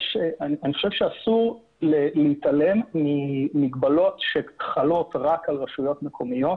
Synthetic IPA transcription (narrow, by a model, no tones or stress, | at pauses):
ʃeanianiχo̞ʃevʃeasuʁ | leleit̪alemːimiɡbalo̞t̪ʃeχalo̞tʁakalʁaʃujo̞tmekʰo̞mijo̞t̪